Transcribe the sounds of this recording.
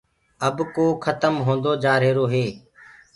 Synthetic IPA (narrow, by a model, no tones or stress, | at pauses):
əbkoːkʰət̪əmɦõːnd̪oːd͡ʒaːɾeːɾoːɦeː